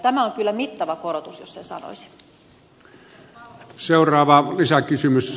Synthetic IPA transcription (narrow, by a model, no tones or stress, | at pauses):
t̪æmæoŋkylːæmit̪ːɑʋɑkoɾot̪usjossensɑ̰no̰isi̥ | seˑurˑɑːʋɑlisækysymys